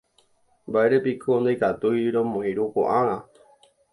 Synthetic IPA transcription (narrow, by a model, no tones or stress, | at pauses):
baeɾepikʰond̪ajkat̪ujɾomõĩɾuko̰ʔaɾ̃ã